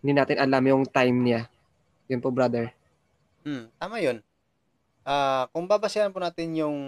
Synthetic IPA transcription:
ɪnd̪inaːt̪ɪnʔɐlamjʊŋt̪ajmna | jʊnpobɾad̪ɛɹ | m̩mt̪aːmajon | ʔaːkʊŋbaːbasɪɐnpʊnaːt̪ɪnjʊŋ

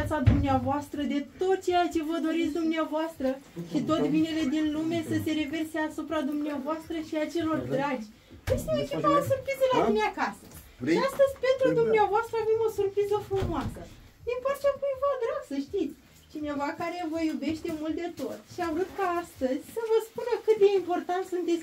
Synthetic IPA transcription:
at̪sad̪umneavoast̪ɾəd̪e̞t̪o̞t̪̚t͡ʃe̞jat͡ʃe̞vəd̪o̞ɾit̪sʲd̪umneavoast̪ɾəʃit̪ot̪vine̞le̞d̪inlume̞səse̞ɾe̞ve̞rseasupɾad̪umneavoast̪ɾəʃiat͡ʃe̞lo̞rdd̪ɾad͡ʒʲ | vest̪eekʲivaasurpɾizəlalumeakasə | ast̪əzʲpent̪ɾud̪umneavoast̪ɾəave̞mo̞surpɾizəfɾumoasə | d̪impart͡ʃakujvod̪ɾaɡsəʃt̪it̪sʲ | t͡ʃine̞vakaɾe̞vəjube̞ʃtt̪e̞mult̪̚d̪e̞t̪o̞t̪ʃiavɾut̪kaast̪əzʲsəvəspunəkɨt̪̚d̪e̞impo̞rt̪ant̪sunt̪e̞t̪sʲ

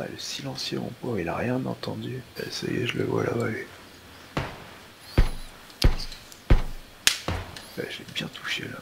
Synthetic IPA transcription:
a̰ləsilɑ̃sjəmɔ̃pɔʁilaʁjɛ̃nɑ̰̃t̪ɑ̃d̪yɛsajeʒələvwalʔavae | ɛʒɛbjɛ̃t̪ʰu̥ʃela

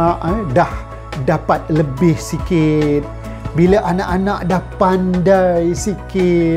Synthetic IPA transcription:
ʔdah | dapat̪̚ləbɪhsikɪt̪̚ | bilaʔanaʔanaʔdahpandajsikɪ

